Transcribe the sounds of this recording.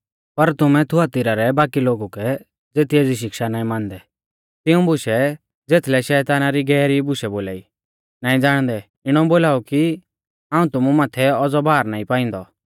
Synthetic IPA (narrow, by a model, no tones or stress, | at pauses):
pɐɾt̪ʊmɛ̃t̪ʰʊaːt̪ɪɾaɾɛbaːkiloːɡukɛ | d͡zeːt̪ʰieːd͡ziʃ̬ɪkʃanaːĩmãːnd̪ɛ | t̪ɪũbʱʊʃɛ | d͡zeːt̪ʰlɛʃɛːt̪aːnaɾiɡɛːɾibʊʃɛboːla̰ːiː | naːĩd͡zaːɽ̃d̪ɛ | ɪɽ̃ɔ̃boːlaːuki | ãːũt̪ʊmũmaːt̪ʰɛɔd͡zɔbʱaːɾnaːĩpaːɪ̃ːn̆d̪ɔ